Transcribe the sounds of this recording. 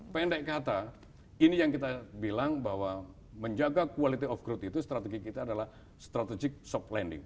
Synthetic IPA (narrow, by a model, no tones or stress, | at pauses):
pɛndɛʔkat̪a | inijaŋkit̪abilaŋbaɦwa | məɲd͡ʒaɡakualit̪iɔfɡɾʊt̪it̪ust̪ɾat̪ɛɡikit̪aːdalah | st̪ɾat̪ɛd͡ʒɪk̚sɔplɛndɪ̰ŋ